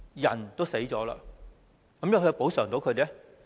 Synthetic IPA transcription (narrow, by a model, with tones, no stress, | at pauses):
jɐ˨˩nt̪o˥wse˨˥jt͡sɔː˨˥la̰ː˧ | kɐ˨˥mjɐ˨˧wkʰːjpo˨˥wsœː˨˩ŋt̪o˨˥wkʰɵ˨˧t̪ɛ˥